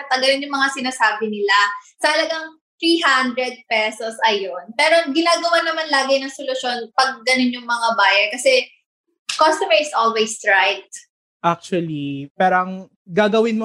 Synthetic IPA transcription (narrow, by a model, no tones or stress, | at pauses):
ɐt̪ɐɡɐlɪnjʊŋmɐŋasɪnaːsaːbɪnɪlasɐhɐlɐɡɐŋ | t̪ɾiːɦand̪ɾɛd̪̚pɛsosʔɐjonpɛːɾoɡɪnaːɡɐwanɐmanlaːɡɪnɐŋsolʊʃo̞npɐɡ̚ːɐnonjʊŋmɐŋabaːjɐkɐsɛ | kost̪omɛɹɪsʔolwɛjsɹajt̪̚ | ʔak̚t͡ʃuɐlipaːɾɐŋ | ɡaːɡɐwɪnmo